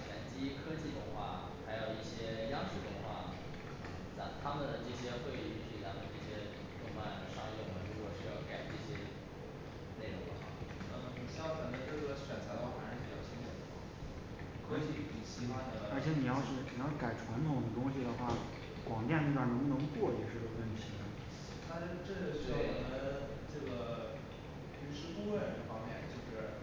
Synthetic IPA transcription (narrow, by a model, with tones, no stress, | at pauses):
ɛ˨˩nt͡ɕi˥kʰɤ˥t͡ɕi˥˩d̪ə˨xwa̰˥˩ | xa˧˥ɪjo˨˩ʊi˥˩ɕjɛ˥jɑ˥ʂ̩˥˩d̪ə˨˩xwa˥˩ | t͡sa˧˥t̪ʰa˥mə˨˩nd̪ə˩ʈ͡ʂɤ˥˩ɕjɛ˥xwe˥˧ɪ˥˧y˥˩ɕi˥˩t̪ʰa˥mə˨˩ʈ͡ʂɤ˥˩ɕjɛ˥ | t̪ʊ˥˩ŋfa˥˩ə˩ʂɑ˥˧ŋjɛ˥˩wa̰˥˩ɻu˧˥kwɔ˨˩ʂɻ̩˥˩jka˨˩ɪʈ͡ʂɤ˥˩ɕjɛ˥ | ne˥˩ɪɻʊ˧˥ŋd̪ə˨˧˩xwa̰˥˩na˥˩mə˩ni˨˩ɕkə˨˩nt̪i˥˧ʈ͡ʂɤ˥˩˥ɕɥɛ˨˩nt͡sʰa˧˥t̪ʰɑ˥˩fa̰˨˥n̩˧˥pi˨˩t͡ɕjɑ˥˩ʊt͡ɕʰi˥nʈ͡ʂʰə˨˩d̪ə˩xwa̰˥˩ | kʰɤ˧˥i˧˥˩ni˨˩ɕi˧˥xwa˥nd̪ə˨ə˞˧˥t͡ɕʰjɛ˧˥ni˨˩jɑ˥˧ʊɕi˧˥˩ni˨˩jɑ˥˩ʊka˨˩ɪʈ͡ʂʰwa˧˥nt̪ʰʊ˨˩ŋd̪ə˦˧t̪ʊ˥ŋɕ̬i˨d̪ə˩xwa˥˩ | kwɑ˨˩ŋt͡ɕ̪ja˥˧nə˥˩t̪wa˥˨˩n˧˥ŋ˥˧nɤ˧˥ŋkwɔ˥˩jɛ˨˧˩ʂɻ̩˥˩o˨˩wə˥˩nt̪ʰi˧˥ə˩ | t̪ʰa˥˧ʈ͡ʂɤ˥˩t̪we˥˩ɪwɔ˨˩d̪ə˦ | ʈ͡ʂɤ˥˩ɡə˩ | ly˧˥ʂɻ̩˧˥ku˥˧wə˥˩nd̪ə˩fɑ˥ŋmjɛ˥˧nt͡ɕjo˥˧ʊʂɻ̩˥˩